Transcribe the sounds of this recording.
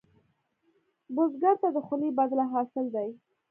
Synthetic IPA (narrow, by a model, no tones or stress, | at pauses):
bʊzɡaɾt̪ad̪əxʊnibad̪laɦɑsɪld̪aj